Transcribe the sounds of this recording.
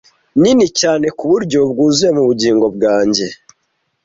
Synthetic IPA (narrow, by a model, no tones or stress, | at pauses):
ninicaːne̞kuβuɾɟo̞bɡuːzuemuβuɟiːŋɡo̞b̚ɡaːɲɟe̞